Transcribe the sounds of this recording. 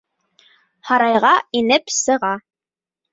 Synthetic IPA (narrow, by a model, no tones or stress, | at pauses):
hɑɾɑjʁɑinɘpsɤ̆ʁɑ